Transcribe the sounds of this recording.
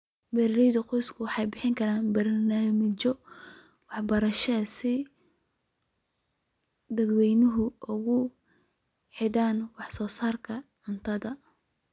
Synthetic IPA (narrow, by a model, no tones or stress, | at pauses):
bɛɾɾɛjðʊqɔjskʰʊwɑħɑjbɪħɪŋkʰɐɾaːnbɐrnaːmɪt͡ʃɔ | wɑħbɐɾɐʃɛsɪ | d̪ɐd̪wɛjnɪɦʊʊɣʊ | ħɪðaːnwɑħsɔːsaːrkʰɐʕʊnt̪ʰɐðɐ